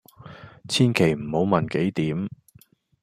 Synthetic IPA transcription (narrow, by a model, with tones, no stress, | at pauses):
t͡sʰiː˥nkʰe˨˩jm̩˨˩ho˨˥wmɐ˨nke˨˥jt̪iː˨˥m